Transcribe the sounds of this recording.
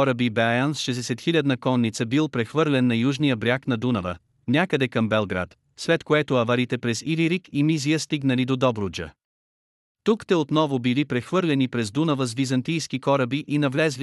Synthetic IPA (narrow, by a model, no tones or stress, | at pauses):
kɔɾəbibɛajansʃɛzd̪ɛsɛt̪xilʲad̪nɐkɔnːit̪səbilˠpɾɛxvɤɾlʲɛnːɐjuʒnijəbɾʲaknɐd̪unɐvə̰ | nʲakəd̪ɛkɐmbɛlˠɡɾa̰t̪ | slɛt̪koɛt̪oɐvɐɾit̪ɛpɾɛziɾiɾikimizijəst̪iɡnəlid̪od̪ɔbɾʊd͡ʒə̰ | t̪ukt̪ɛot̪nɔvobilipɾɛxvɤɾlʲɛnipɾɛzd̪unɐvəzvizɐnt̪ijskikɔɾəbiʔinɐvlɛzli